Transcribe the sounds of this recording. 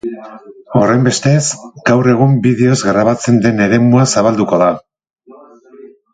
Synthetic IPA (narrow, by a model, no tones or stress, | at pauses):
o̞re̞jmbe̞st̪e̞sɡawre̞ɣ̞umbiðe̞o̞zɣɾaβ̞at͡se̞nd̪e̞ne̞ɾe̞muasaβald̪uko̞ða